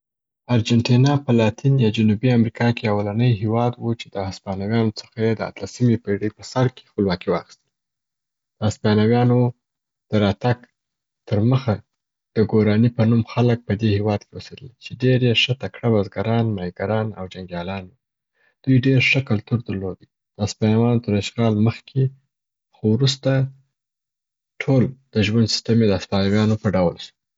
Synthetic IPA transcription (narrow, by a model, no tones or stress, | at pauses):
aɾd͡ʒanʈinɑpəlɑt̪injɑd͡ʒanubiamɾikʰɑkeawalanəjɦewɑd̪wut͡ʃed̪əaspɑnawjɑnot͡sə̥xajed̪əa̰t̪lasimepeɽəjpəsaɾke̥xpəlwɑkiwɑ̰xi̥st̪əl | d̪̥əaspɑnawjɑno | d̪̥əɾɑt̪aɡ | t̪əɾməxa | d̪̥əɡoɾɑnipənumxalək̚pəd̪ehewɑd̪kewəsed̪əlt͡ʃeɖeɾjeʃət̪akɽabazɡaɾɑnmɑjɡaɾɑna̰wd͡ʒaŋɡjɑlɑnwi | d̪̥ujɖeɾʂəkalt̪uɾd̪əɾlod̪i | d̪̥əaspɑnawɑnot̪əɾaʃɣɑlməxkʰe | xowɾust̪a | ʈʰold̪̥əʒwand̪si̥st̪amed̪əaspɑnawjɑnopəɖawlʃu̥